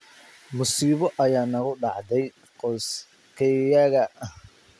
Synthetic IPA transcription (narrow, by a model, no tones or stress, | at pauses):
mʊsiːβɔʔɐjaːnɐɣʊɖɑ̰ʕd̪ɛj | qɔs | kʰɛjaɣɐ